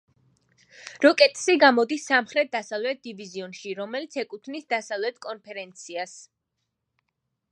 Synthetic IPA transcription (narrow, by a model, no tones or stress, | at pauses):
ɾɔkʼɛt̪ʼsiɡamɔd̪isːamχɾɛt̪̚ʰd̪asavlɛt̪̚ʰd̪iviziɔnʃiɾɔmɛlit̪sʰɛkʼut̪ʰnisd̪asavlɛt̪ʰkʼɔnpʰɛɾɛnt̪sʰias